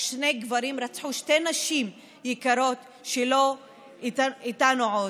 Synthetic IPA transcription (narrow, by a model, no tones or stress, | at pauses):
ʃne̞ɡvaɾimɾat͡sħuʃte̞naʃim | jɛkaɾo̞t̪ | ʃelo̞ | itait̪anuʕo